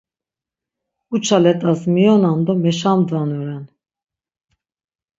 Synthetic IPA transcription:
ut͡ʃʰalɛt̪ʼazmijɔnand̪ɔmɛʃamd̪vanuɾɛn

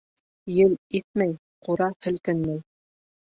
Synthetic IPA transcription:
jɘliθmæj | quɾɑhɘ̆lkɘnmæj

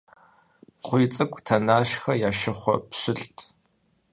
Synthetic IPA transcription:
qʷʊjt͡sʼɨkʷʼtʰɐnaːʃxɐjaːʃɪχʷɔ̰pɕɪɬtʰʼ

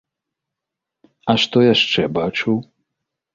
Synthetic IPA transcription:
ɐʂt̪ɔjaʂt͡ʂɛbat͡ʂuw

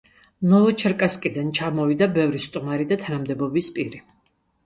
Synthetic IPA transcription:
nɔvɔt͡ʃʰɛɾkʼaskʼid̪ant͡ʃʰamɔvid̪abɛvɾist̪ʼumaɾid̪at̪ʰanamd̪ɛbɔbispʼiɾi

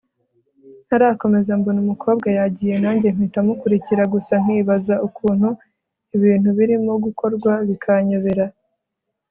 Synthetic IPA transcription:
naɾaːko̞me̞zambonumukʰo̞ːb̚ɡajaɟiːje̞naːɲɟe̞m̥itamukuɾiciɾaɡusaŋ̥hiːβazaukuːn̥hu | iβiːn̥huβiɾimo̞ɡuko̞ɾɡwaβikʰaɲoβe̞ɾa

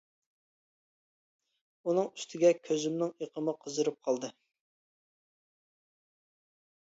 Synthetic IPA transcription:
unɨŋy̥st̪ʰɪɡʲɛkʲʰøzymnɪŋeqʰəmɨqʰəzɨɾɨp̚qʰɑlˠd̪ɨ

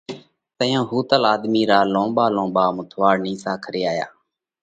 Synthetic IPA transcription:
t̪əjãːɦuːt̪əlaːd̪miːɾaːlõːɓaːlõːɓaːmʊt̪ʰʋaːɽnĩːsaːkʰɾɪːaːja̰ː

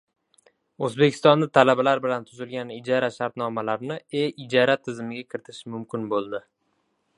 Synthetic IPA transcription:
ɵzbe̞kʲʰɪst̪ɒnd̪at̪ʰalabalaɾbɪlant̪ʰʊzɪlɡʲanɪd͡ʒaɾaʃaɾt̪nɒmalaɾnɪeɪd͡ʒɒɾat̪ʰɪzɪmɪɡʲakʲʰɪɾɪt̪ʰɪ̥ʃɪmʊmkʲɪnbolˠd̪ɪ

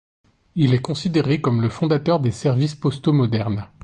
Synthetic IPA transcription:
ilɛkɔ̃sid̪eʁekɔmləfɔ̃d̪at̪œʁd̪esɛʁvispɔst̪omɔd̪ɛʁn

